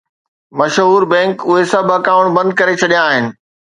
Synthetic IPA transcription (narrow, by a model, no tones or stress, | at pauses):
mɐʃɦuːɾbɛ̃ːŋkʊɦesɐbʱɐkaːʊɽ̃bɐ̃nd̪̚kɐɾet͡ɕʰɐɗijãːɦɪnɪ̆